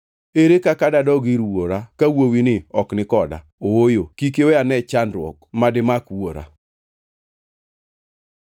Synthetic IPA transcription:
eɾekakadadɔɡiɾwoɾakawowinɪɔknɪkɔda̰ | owojokik̬ewɛanɛt͡ʃandɾwɔ̰kmadɪmakwoɾa̰

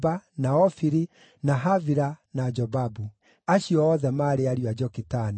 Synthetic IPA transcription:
banaɔfiɾi | naɦaviɾanad͡ʒɔbabu | aɕiɔːðɛmaɾeaɾiwad͡ʒɔkitani

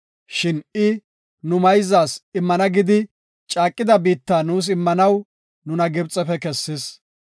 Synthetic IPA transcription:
ʃɪnɪ | nʊmɐjzaːsɪmːɐnɐɡɪd̪ɪ | t͡ʃʼaːkʼːɪd̪ɐbiːt̪ːaːnuːs̬ɪmːɐnɐw | nʊnɐɡɪbt͡sʼːɛfɛkɛsːɪs

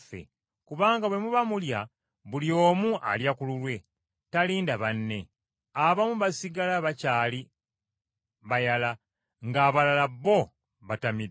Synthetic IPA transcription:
fḛ | kuβaːŋɡawe̞muβamulja | βulio̞ːmuʔa̰ljakululwe̞ | taliːndaβanːe̞ | aβamuβasiɡalaβacaːli | βajala | ŋɡaːβalalaβːo̞ | βatami

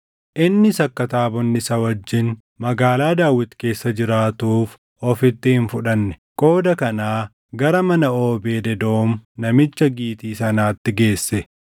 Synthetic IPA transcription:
ʔɪnːɪsɐkːɐt̪aːbɔnːɪsɐwɐd͡ʒːɪn | mɐɡaːlaːd̪aːwɪt̪ːke̞ːsːɐd͡ʒɪɾaːt̪uːf | ɔfɪt̪ːɪhɪnfʊᶑɐnːɛ̥kʼo̞ːd̪ɐkɐnaː | ɡɐɾɐmɐnɐo̞ːbeːd̪ɛd̪o̞ːmnɐmɪt͡ʃːɐɡiːt̪iːsɐnaːt̪ːɪɡe̞ːsːɛ

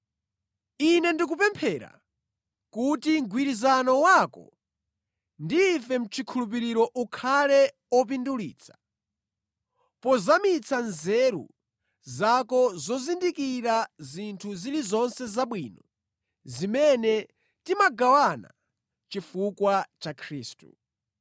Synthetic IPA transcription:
inɛndikupɛmpʰɛɾa̰ | kutiŋɡwiɾizanɔwaːkɔ̰ | ndiːfɛm̩t͡ʃʰikʰulup̬iɾiɾɔʔukʰalɛ | ɔp̬indulḭːt͡sʰḁ | pɔzamit͡sʰanzɛɾṵ | zakɔzɔzindikiɾazintʰuzilizɔnsɛzaɓwiːnɔ | zimɛnɛ | timaɡawana̰ | t͡ʃifukwat͡ʃakʰɾiːstu

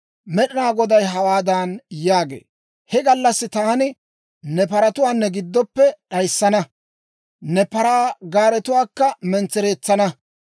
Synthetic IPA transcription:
mɛɗɪnaːɡɔd̪ɐjɦɐwaːd̪anjaːɡḛː | hɛɡɐlːɐsːɪt̪aːnɪ | nɛpɐɾɐt̪ʊwaːnːɛɡɪd̪ːɔpːɛɗɐjsːɐnɐ | nɛpɐɾaːɡaːɾɛt̪ʊwaːkːɐmɛnt͡sːɛɾeːt͡sːɐnɐ

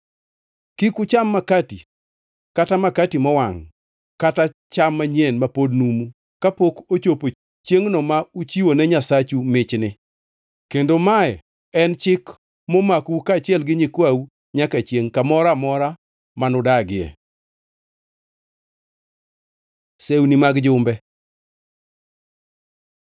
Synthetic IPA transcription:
kikut͡ʃamːakati | katamakatimɔwaŋ | katat͡ʃamːaɲjenmapodnumu | kapokot͡ʃopo | t͡ʃjeŋnɔmaut͡ʃiwonɛɲasat͡ʃumɪt͡ʃnɪ | kendomaɛ | ɛnt͡ʃɪk | mɔmakukat͡ʃɪɛlɡɪɲɪkwau | ɲakat͡ʃjeŋkamɔɾamɔɾa | manʊdaɡɪɛ̰ | sewnimaɡd͡ʒʊmbɛ

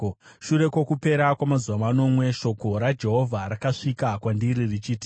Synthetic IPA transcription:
ʃuɾe̞kwo̞kupe̞ɾakwamazuwamano̞mwe̞ʃo̞ko̞ɾad͡ʒe̞ɦo̞vʱaɾakaʂikakwandiɾirit͡ʃiːti̥

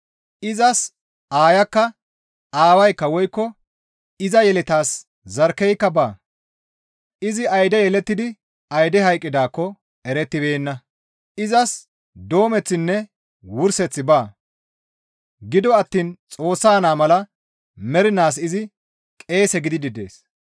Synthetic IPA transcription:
ɪzɐs | aːjɐkːɐ | aːwɐjkːɐwɔjkːɔ | ɪzɐjɛlɪt̪aːs | zɐɾkɛjkːɐbaː | ɪzɪɐjd̪ɛjɛlɛt̪ːɪd̪ɪ | ɐjd̪ɛɦɐjkʼːɪd̪aːkːɔ | ɛɾɛt̪ːɪbe̞ːnːɐ | ɪzɐs | d̪o̞ːmɛt͡sːɪnːɛ | wʊɾsɛt͡sːɪbaː | ɡɪd̪ɔɐt̪ːiːnt͡sʼo̞ːsːaːnaːmɐlɐ | mɛɾɪnaːs̬ɪzɪ | kʼe̞ːsɛɡɪd̪ɪd̪ɪd̪e̞̰ːs

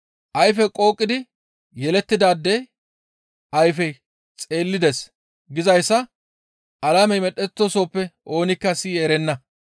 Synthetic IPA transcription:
ʔɐjfɛkʼo̞ːkʼːɪd̪ɪ | jɛlɛt̪ːɪd̪aːd̪ːɛ | ʔɐjfɛj | t͡sʼe̞ːlːɪd̪ɛs | ɡɪzɐjsːɐ | ʔɐlaːmɛjmɛɗɛt̪ːoso̞ːpːɛʔo̞ːnɪkːɐsiːeɾɛnːɐ

